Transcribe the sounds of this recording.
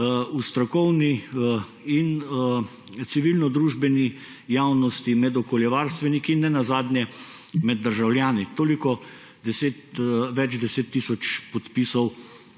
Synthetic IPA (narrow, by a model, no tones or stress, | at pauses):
ust̪ɾakɔwni | in | t̪siʋilnɔd̪ɾuːʒbɛni | jawnɔst̪imɛd̪ɔkɔljɛʋaɾst̪ʋɛnikinːɛnazaːd̪njɛ | mɛd̪̚ːəɾʒawljaːnit̪oːlikɔ | d̪ɛseːt̪ʋɛt͡ʃd̪ɛseːt̪ːisɔt͡ʃpɔt̪pisɔw